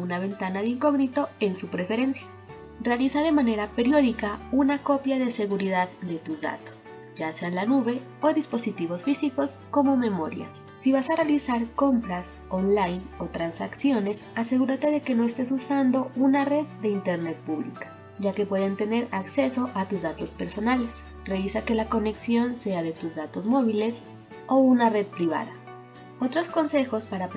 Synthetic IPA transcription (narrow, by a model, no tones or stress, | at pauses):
unaβe̞nt̪anaðeiŋko̞ɣnit̪o̞e̞nsupɾe̞fe̞ɾe̞nsja | realisaðe̞mane̞ɾape̞ɾjo̞ðikaunako̞pjaðe̞se̞ɣuɾiðaðd̪e̞t̪uzða̰t̪o̥s | ʝase̞anlanuβe̞ | oðispo̞sit̪iβo̞sfisiko̞sko̞mo̞me̞mo̞ɾja̰sːiβasarealisaɾko̞mpɾas | onlajno̞t̪ɾansaksjo̞ne̞sase̞ɣuɾat̪e̞ðe̞ke̞no̞est̪e̞susand̪o̞unare̞ðd̪e̞int̪e̞ɾne̞t̪̚puβlḭkḁ | ɟ͡ʝake̞pwe̞ðent̪e̞ne̞ɾakse̞so̞ʔat̪uzðat̪o̞spe̞ɾso̞nale̞s | re̞βisake̞lako̞ne̞ksjo̞nse̞aðe̞t̪uzðat̪o̞zmo̞β̞ile̞s | o̞unare̞ðpɾiβa̰ða | o̞t̪ɾo̞sko̞nse̞xo̞spaɾap